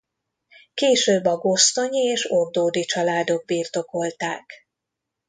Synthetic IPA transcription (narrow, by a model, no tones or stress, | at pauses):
keːʃøːbːɒɡo̞st̪o̞ɲieːʃo̞rd̪oːd̪it͡ʃɒlaːd̪o̞ɡ̚biːrt̪o̞ko̞lt̪aːk